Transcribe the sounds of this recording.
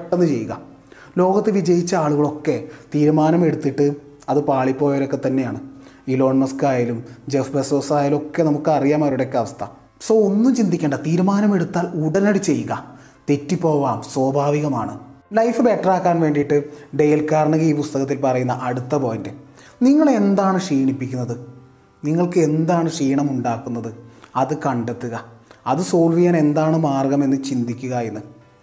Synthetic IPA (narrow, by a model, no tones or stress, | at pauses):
ʈːenːɨt͡ɕe̞jːuɣɐ̰ | lo̞ːɡɐt̪ːɨʋid͡ʑɐjit͡ɕːɐaːɭuɣɐɭo̞kːe̞t̪iːɾumaːnɐme̞ɽut̪ːiʈːɨ | ɐðɨpaːɭipːo̞ːjɐɾo̞kːe̞t̪ɐnːe̞jaːɳɨilo̞ːɳmɐskaːjalumd͡ʑefbesoːsaːjalo̞kːe̞nɐmukːɨɐrijaːmɐːɾuɽekʲːɐʋɐst̪ʰɐ | soːonːumt͡ɕind̪ikʲːeɳɖɐt̪iːɾumaːnɐme̞ɽut̪ːaːluɽɐnɐɽit͡ɕːe̞jːuɣɐ | t̪etːipːo̞ːʋaːmswoːbʱaːʋiɣɐmaːɳɨ̰lɐjfɨbe̞ʈraːkːaːnʋe̞ːɳɖijʈːɨɖejɐlkːaːɾɐɳɨɣɐiːpust̪ɐɣɐt̪ːilpɐrɐjunːɐʔɐɽut̪ːɐpoːjɐnde | niŋːɐɭe̞nd̪aːɳɨʂiːɳipːikʲːunːɐðɨ | niŋːɐɭkɨe̞nd̪aːɳɨʂiːɳɐmuɳɖaːkːunːɐðɨɐðɨkɐɳɖɐt̪ːuɣɐɐðɨso̞ːlʋijaːne̞nd̪aːɳɨmaːrɡɐme̞nːɨt͡ɕind̪ikʲːuɣɐjenːɨ